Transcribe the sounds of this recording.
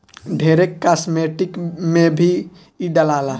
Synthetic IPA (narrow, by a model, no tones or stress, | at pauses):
ɖʱeːɾekːasmeʈɪkmẽbʱi | iɖəlala